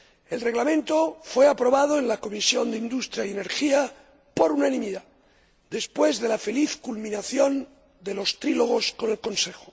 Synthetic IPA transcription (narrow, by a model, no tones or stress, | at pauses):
e̞lre̞ɣlamẽ̞nt̪o̞fwe̞apɾo̞βað̞oe̞nlako̞misjo̞nd̪eind̪ust̪ɾjajene̞ɾxia | po̞ɾunanĩmiða | d̪e̞spwe̞zðe̞lafe̞liθkulmĩnaθjo̞n | d̪e̞lo̞st̪ɾilo̞ɣ̞o̞sko̞ne̞lko̞nse̞xo̥